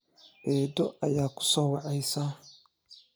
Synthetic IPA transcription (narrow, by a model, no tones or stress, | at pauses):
ʔɛːd̪ɔʔɐjaːkʰʊ̥sɔːwɑʕɛjsa